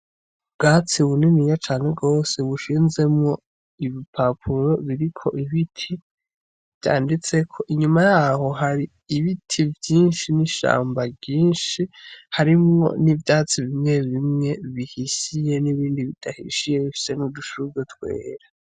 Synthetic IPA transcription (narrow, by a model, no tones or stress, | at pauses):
bɡaːt͡siβuninijat͡ʃaːneɡo̞ːse̞βuʃiːnze̞mŋo̞ | iβipʰapʰuɾo̞βiɾikʰo̞̰ʔiβitʰi | vja̰ːndit͡se̞kʰo̞ʔiɲumajaːho̞ɦaɾiː | βitʰivjiːnʃiniʃa̰ːmbaɡɟiːnʃihaɾimŋo̞̰nivdat͡siβimŋe̞βimŋe̞βihisije̞niβiːndiβid̥ahḭʃije̞βifi̥se̞nuduʃuɡetwe̞̰ːɾa